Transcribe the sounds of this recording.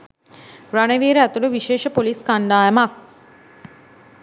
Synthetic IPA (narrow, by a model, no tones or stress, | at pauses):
ɾaneʋiːɾəæt̪uləʋiʃeːʃəpoliskand̪aːjəmak̚